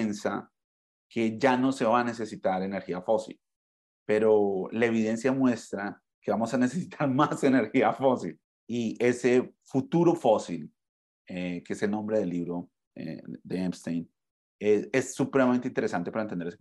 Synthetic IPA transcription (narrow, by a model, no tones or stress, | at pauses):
ensa | ke̞ʝano̞se̞βane̞s̬e̞sit̪aɾe̞neɾxiafo̞sḭl | pe̞ɾo̞lae̞β̞iðe̞nsjamwe̞st̪ɾa | ke̞βamo̞sane̞sesit̪ʰaɾmase̞ne̞ɾxiafo̞sḭl | iʔe̞se̞fut̪uɾo̞fo̞sil | ekeeselnõ̞mbɾe̞ð̞elːiβɾo̞ | ḛd̪eempst̪ejn | eesːupɾemamẽnt̪eint̪eɾe̞sant̪e̞paɾaent̪end̪eɾes